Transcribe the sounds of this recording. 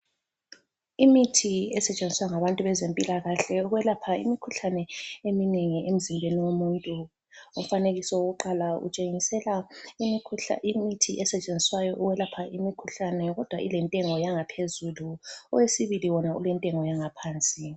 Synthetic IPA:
imitʰiɛsɛt͡ʃʼend͡zʱiswaŋaβantʼuβɛzempʼilaɣaɬɛuɣwɛlapʰaḭmikʰuɬanɛemineŋiʔem̩zimbʱeniwomuːntʼu | um̩faneɣisɔwoɣuǃalaṵt͡ʃʼeŋisɛlamikʰṵimitʰiʔɛsɛt͡ʃʼend͡zʱiswajɔʔuwɛlapʰaʔimikʰuɬanɛɣɔd̥ʱwaʔilɛntʼɛŋɔjaŋapʰezuluɔwesiβiliwɔnaṵlɛntʼɛŋɔjaŋapʰaːnt͡sʼi

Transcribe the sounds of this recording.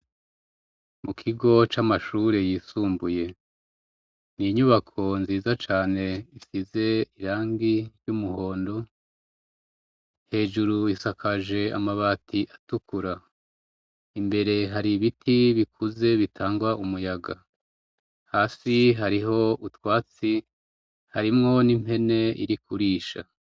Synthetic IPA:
mukʰiɡo̞t͡ʃamaʃuɾe̞jiːsuːmbuje̞ | niɲuβakʰo̞nziːzat͡ʃaːne̞isize̞iɾaːŋɡiɾjumuɦo̞ːndo̞ | he̞ːʒuɾuisakʰaʒe̞a̰maβaːtiʔatukuɾa | imbe̞ɾe̞ɦaɾiβitʰiβikʰuze̞βitʰaːŋɡwaʔumujaɡa | haːsiɦaɾiɦo̞utwaːt͡si | haɾimŋo̞nim̥he̞ne̞ḭɾikuɾiːʃa̰

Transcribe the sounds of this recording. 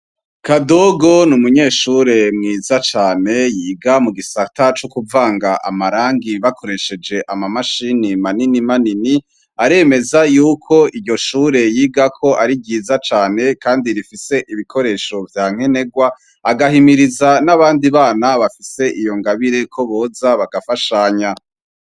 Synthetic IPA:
kado̞ɡo̞numuɲe̞ːʃuɾe̞mŋiːzat͡ʃaːne̞jiːɡamuɡisatat͡ʃokuvaːŋɡaʔa̰maɾaːŋɡiβakʰo̞ɾe̞ʃe̞d͡ʒe̞ʔamamaʃinimaninimanini | aɾe̞me̞zajuːkʰo̞ijo̞ʃuːɾe̞jiːɡakʰo̞ʔaɾiɟiːzat͡ʃaːne̞kaːndiɾifise̞ʔiβikʰo̞ɾe̞ʃo̞vjaːŋ̥he̞ne̞ɡwa | aɡahimiɾizanaβaːndiβaːnaβafise̞ʔijo̞ŋɡaβiɾe̞kʰo̞βo̞ːzaβaɡafaʃaɲa

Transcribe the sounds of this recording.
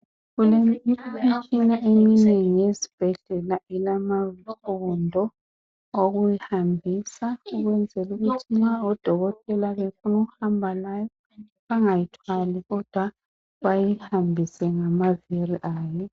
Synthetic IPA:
ɣuleiit͡ʃʰʼinaʔeminɛŋijezib̥ʱɛɮɛlailamafɔndʱɔ | oɣujihambʱisauɣwɛnd͡zʱɛluɣutʰinaɔd̥ʱɔɣɔtʼɛlaβefunuɣuhambʱalajɔ | βaŋajitʰwaliɣɔd̥ʱwa | βajihambʱisɛŋamaviriʔaːjɛ

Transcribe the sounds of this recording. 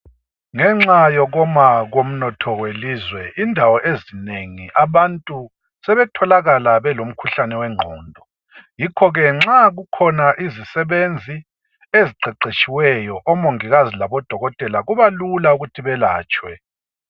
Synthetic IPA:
ŋɛŋ͡ǁajɔɣɔmaɣom̩nɔtʰɔwelizwɛindʱawɔʔezineŋiʔaβantʼu | sɛβɛtʰɔlaɣalaβɛlom̩kʰuɬanɛwɛŋ͡ǃʱɔːndʱɔ | jikʰɔɣɛŋ͡ǁaɣukʰɔnaʔizisɛβend͡zʱi | eziǀɛǀet͡ʃʼiwɛjɔʔɔmoŋiɣazilaβɔd̥ʱɔɣɔtʼɛlaɣuβalulauɣutʰiβɛlaːt͡ʃʼwɛ

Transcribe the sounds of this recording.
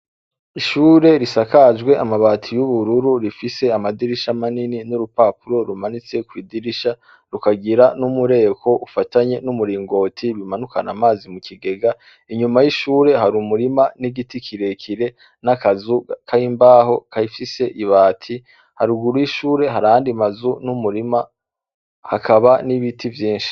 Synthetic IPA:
iʃuːɾe̞ɾisakad͡ʒɡwe̞ʔamaβaːtʰijuβuɾuɾuɾifise̞amadiɾiʃamanininuɾupaːpuɾo̞ɾumanit͡se̞kwiːdiɾiʃa | ɾukaɡiɾanumuɾe̞ːko̞ʔufataɲe̞numuɾiːŋɡo̞ːtʰiβimanukanamaːzimukiɡe̞ɡa | iɲumajiʃuːɾe̞ɦaɾumuɾimaniɡitikʰiɾe̞kʰiɾe̞ | nakazukʰaimbaːɦo̞kaifise̞ʔiβaːtʰi | haɾuɡuɾujiʃuːɾe̞ɦaɾaaːndimazunumuɾima | hakʰaβaniβitʰivjiːnʃi̥

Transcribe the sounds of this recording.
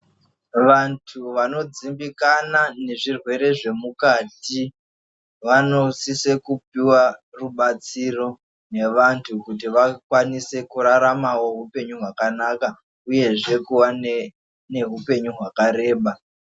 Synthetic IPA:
ʋantʰuʋano̞d͡zimbikanane̞ʐirwe̞ɾe̞ʐe̞mukaːti | ʋano̞sisekup̚iwaruɓat͡siro̞ | ne̞ʋantʰukutiʋakwanise̞kuɾaɾamawo̞ɦupe̞ɲuɦwakanaka | uje̞ʐe̞kuwane | ne̞ɦupe̞ɲuɦwakaɾe̞ːɓa

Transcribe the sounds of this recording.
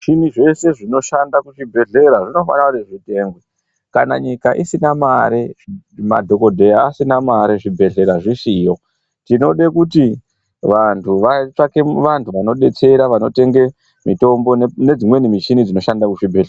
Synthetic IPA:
ʐiniʐe̞se̞ʐino̞ʃandakuʐibʱe̞ɮe̞ɾaʐino̞fa̰naaneʐite̞ːŋɡwe | kana̰ɲikaʔisinamaɾeima̰dʱo̞ko̞dʱe̞jaːsinamaɾeʐibʱe̞ɮe̞ɾaʐisiːjo̞ | tino̞ɗekuti | ʋantʰuʋat͡ʂake̞ʋantʰuʋano̞ɗe̞t͡se̞ɾaʋano̞te̞ŋɡe̞ | mito̞mbo̞ne̞d͡zimwe̞nimit͡ʃinid͡zino̞ʃandakuʐibʱe̞ɮa

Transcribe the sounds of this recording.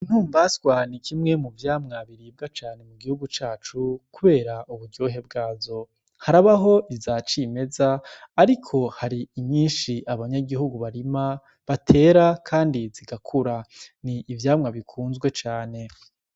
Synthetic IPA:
in̥huːmbaswanikʰimŋe̞muvjaːmŋaβiɾiːb̚ɡat͡ʃaːne̞muɡihuɡut͡ʃaːt͡ʃukuβe̞ːɾaʔuβuɾɟoːɦe̞b̚ɡaːzo̞ | haɾaβaɦo̞ʔizat͡ʃime̞zaːɾikʰo̞haɾiːɲɲiːnʃiʔaβaɲaɡiɦuɡuβaɾima | βatʰe̞ːɾakʰaːndiziɡakʰuɾaniʔːvjaːmŋaβikʰuːnzɡwe̞t͡ʃaːne̞

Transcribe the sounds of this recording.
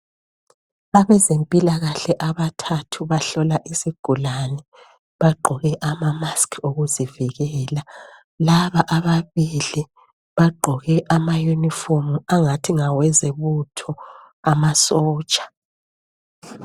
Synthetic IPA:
aβɛzempʼilaɣaɬɛʔaβatʰatʰuβaɬɔlaʔisiɡ̥ʱulanɛ | βaɡ͡ǃʱɔɣɛʔamamaskʰoɣuziviɣɛːla | laβaʔaβaβili | βaɡ͡ǃʱɔɣɛʔamajunifomuaŋatʰiŋawɛzɛβutʰɔ | amasɔːt͡ʃʼḁ

